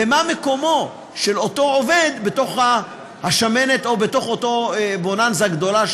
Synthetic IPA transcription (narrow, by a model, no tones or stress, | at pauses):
emame̞ko̞mo̞ | ʃe̞lo̞to̞ove̞d̪betoχa | haʃame̞neto̞beto̞χoto̞bonanzaɡd̪o̞la